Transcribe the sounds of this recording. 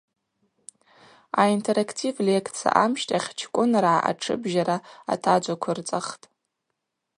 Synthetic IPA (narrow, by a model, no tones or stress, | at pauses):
aintʰeɾakʰtʰivlekʰʼt͡sʰa̰ʔamʃtʼaχʲt͡ʃʰkʷʼʊnraaʔa̰ʈ͡ʂʰɨ̰bʒaɾaa̰tʰad͡ʒʷakʷʰart͡sʼaχtʼ